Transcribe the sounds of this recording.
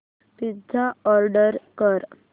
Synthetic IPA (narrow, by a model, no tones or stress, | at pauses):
p̪idaɔɾɖəɾkəɾ